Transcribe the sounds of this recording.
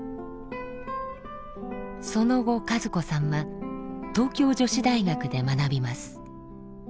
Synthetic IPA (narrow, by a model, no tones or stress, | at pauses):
so̞no̞ɡo̞kazɨko̞sãmːat̪o̞ːkʲo̞ːʑo̞ɕid̪aiɡakɯ̟d̪e̞manabʲimasɨ̥